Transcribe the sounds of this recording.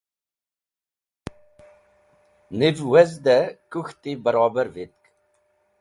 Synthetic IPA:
nivwɛzd̪ɛkʼuxt̪ʼibəɾɑːbəɾvit̪̚kʼ

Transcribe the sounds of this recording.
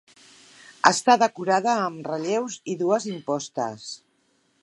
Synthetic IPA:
əst̪aðəkuɾaðəːmrəʎewziðuəzimpɔst̪ə̰s

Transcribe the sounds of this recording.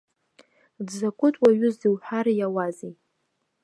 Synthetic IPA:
dzakʷʼʊtʼwaɥʊzdiwħʷaɾjawazij

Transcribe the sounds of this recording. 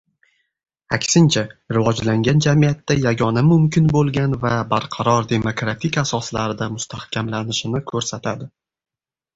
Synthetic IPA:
akʲsɪnt͡ʃʰaɾɪvɒd͡ʒlaŋɡʲand͡ʒamijat̪ːajaɡɒnamʊmkʲʰɪnbolˠɡʲanvabaɾqʰɑɾɒɾd̪e̞mo̞kɾat̪ʰɪkʲasɒslaɾɪd̪amʊst̪ʰahkʲʰamlanɪʃɪnɪkʰɵɾsat̪ʰad̪ɪ

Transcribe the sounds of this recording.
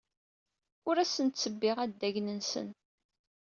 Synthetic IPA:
ʊɾæsənt̪t͡sːəbːɪʁæd̪ːæʝnənsə̰n

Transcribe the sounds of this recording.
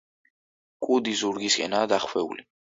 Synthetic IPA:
kʼud̪izuɾɡiskʼɛ̰naːd̪aχwɛṵli

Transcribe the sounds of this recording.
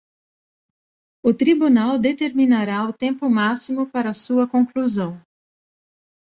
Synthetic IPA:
ʊt̪ɾibunawd̪et̪eɾminaɾaʊt̪ẽmpʊmasimʊpaɾɐːsuɐkõŋkluzɐ̃w̃

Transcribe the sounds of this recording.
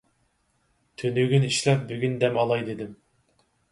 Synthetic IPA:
t̪ʰønyɡʲyniʃlɛp̚byɡʲynd̪ɛmɑlˠɑjd̪ed̪ɪm

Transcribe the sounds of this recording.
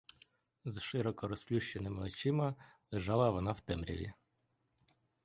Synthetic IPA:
zʃɪɾɔkɔɾɔsplʲuʃt͡ʃenɪmɪɔt͡ʃɪmɐlˠeʒɑlˠɐʋɔnɑwt̪ɛmɾʲɐ̰ʋʲḭ

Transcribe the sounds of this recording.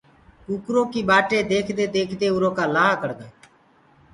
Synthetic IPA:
kuːkɾõːkiːɓaːʈeːd̪eːkʰd̪eːd̪eːkʰd̪eːʊɾõːkaːlaːɦakəɽd̪eː

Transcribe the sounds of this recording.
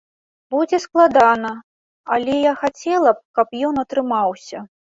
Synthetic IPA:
bud͡zʲɛsklˠad̪anɐ | ɐlʲɛjaxat͡sʲɛlˠɐp̚kɐpjɔnɐt̪ɾɨmawsʲɐ

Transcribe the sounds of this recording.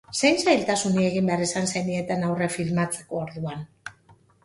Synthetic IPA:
sejnsajlt̪asunie̞ɣimbe̞aɾresansejnie̞t̪enawre̞filmat͡se̞ko̞ːɾðuan

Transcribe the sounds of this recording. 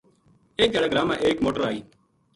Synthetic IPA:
eːk̚eɽeːɡɾaːmã̰ːʔeːkmoːʈəɾaːiː

